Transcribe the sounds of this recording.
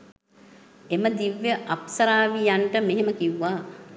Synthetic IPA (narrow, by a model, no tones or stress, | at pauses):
eməd̪iʋːjəʔapsɐɾaːʋijaɳʈəmeɦeməkiwːaː